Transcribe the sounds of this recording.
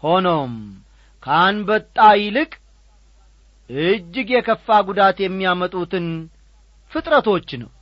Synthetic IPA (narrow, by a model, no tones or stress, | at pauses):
ho̞nom | kʰəaanbət̪ʼːajɪlɨkʼ | ʔɨd͡ʒːɨɡjɛkʰəfːaɡud̪at̪jɛmːijamət̪ʼut̪ɨn | fɨt̪ʼɾət̪o̞t͡ʃːnə̰w